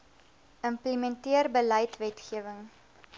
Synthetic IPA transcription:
əmpləmɛntiərbəlɐjtvɛtχiəvəŋ

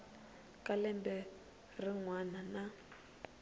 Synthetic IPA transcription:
kʼalɛmbɛ | rɪŋwanana

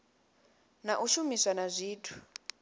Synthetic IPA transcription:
naʔuʃumiswanazʷiːtʰu̥

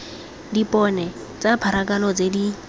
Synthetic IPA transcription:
dipʼɔnɛ | t͡sapʰaɾakʼalɔt͡sedi

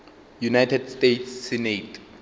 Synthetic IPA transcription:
junajtʰɛdstetʰsːinetʰ

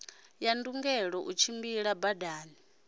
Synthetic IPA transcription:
janduŋɡɛɺɔʔut͡ʃʰimbiɺabadaːni

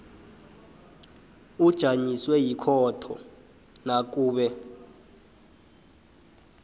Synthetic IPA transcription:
ud̥ʒ̥ʱaɲiswɛjikʰɔtʰɔ̰ | nak̬ʼuːɓɛ

